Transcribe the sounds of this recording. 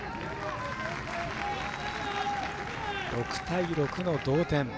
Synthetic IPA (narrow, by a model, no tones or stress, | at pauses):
ɾo̞kɯ̟̥t̪aiɾo̞kɯ̟no̞d̪oːt̪ẽ̞m